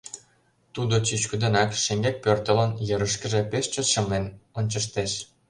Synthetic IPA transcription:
t̪ud̪ot͡ɕyt͡ɕkyd̪ə̆nɑkʃeŋɡek̚pørt̪ə̆lənjɤɾəʃkə̆ʒĕpeʃt͡ɕə̆ʃə̆mlenonʲt͡ɕə̆ʃt̪eʃ

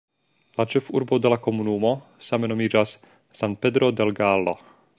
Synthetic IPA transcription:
lat͡ʃe̞fuɾbo̞de̞lako̞munumo̞same̞no̞mid͡ʒas | san̚pe̞dɾo̞de̞lɡalːo̞̰

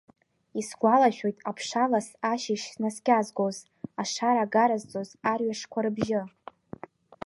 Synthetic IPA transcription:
isɡʷalaʃᶣo̞jtʼapʰʂalasaʃɪʃsnaskʲazɡʷoz | aʂaɾaɡaɾazt͡sʼozarɥaʂkʷʰaɾɨbʒɪ

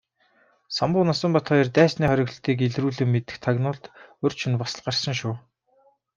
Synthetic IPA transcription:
samʊ̆qnasə̆mpɔt̪χɔːirt̪æːsniːχœɾʲɪ̆ɣ̆ɬt̪iːkeɮruːɮɘ̆mːet̪ɘ̆xt̪ʰaɣnʊːɮt̪ɵr̥t͡ɕʰɵ̆npasə̆ɮɢarsə̆ŋʃʊː

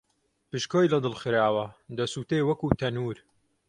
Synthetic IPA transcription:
pɨʃkoːjlɐd̪ɨlxɨɾaːwɐd̪ɐsuːt̪ejwɐkut̪ʰɐnuːɾ

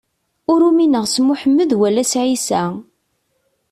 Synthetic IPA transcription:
ʊɾuminəʁsmːʊħəmːəðwælːæsʕisæ

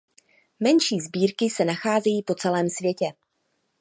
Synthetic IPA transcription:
mɛnʃiːzbiːɾkɪsɛnaxaːzɛjiːpo̞t͡sɛlɛːmsvjɛcɛ

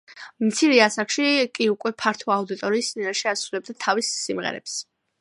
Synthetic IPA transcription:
mt̪sʰiɾɛasakʃikʼiukʼwɛpʰaɾt̪ʰɔaud̪it̪ʼɔɾiːst̪ʼinaʃɛasɾulɛb̚d̪at̪ʰavisːimʁɛ̰ɾɛ̰ps

